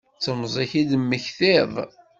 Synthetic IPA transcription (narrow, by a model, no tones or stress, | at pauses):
t͡sːəmzˤiçid̪mːəçθɪðˤ